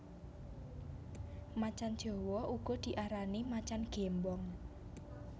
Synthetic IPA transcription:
mat͡ʃan̥d͡ʒ̥ɔ̤wɔʔuɡ̥ɔ̤d̪̥i̤ʔaɾanimat͡ʃanɡ̥embɔŋ

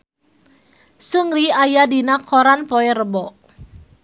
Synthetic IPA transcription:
sɨŋriajadinakʰɔɾanpɔɛɾəbɔʔ

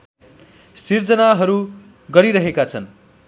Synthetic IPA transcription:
sird͡zʌnaɦʌɾu | ɡʌɾiɾʌɦekat͡sʰʌn

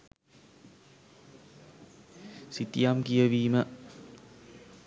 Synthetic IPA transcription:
sit̪ijamkijəʋiːmə

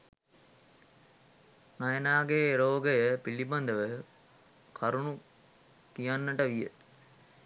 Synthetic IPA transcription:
najənaːɡeːɾoːɡəjəpiliband̪əʋə | kʰaɾunu | kijanːəʈəʋijə̰t̪

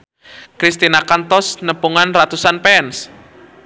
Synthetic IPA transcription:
kɾist̪inakant̪ɔsnəpuŋanrat̪usanpɛns

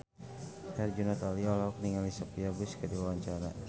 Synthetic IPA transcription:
ɛrd͡ʒunɔt̪aliɔlɔk̚niŋalisapiabuskəduwawaɲt͡ʃaɾa̰

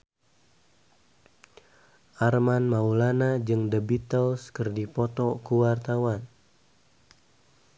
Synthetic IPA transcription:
ʔarmanmaulanad͡ʒɨŋdəbit̪əlskɨrdipɔt̪ɔkuwart̪awan

